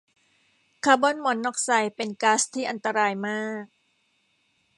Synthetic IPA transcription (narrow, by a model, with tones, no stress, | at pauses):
kʰaː˧bɔ˧˥˨nmɔ˨˩˦nːɔː˥˩k̚sa˧jpe˧nkaː˦˥st̪ʰiː˥˩ʔa˧nt̪a˧ɾaː˧jmaː˥˩k̚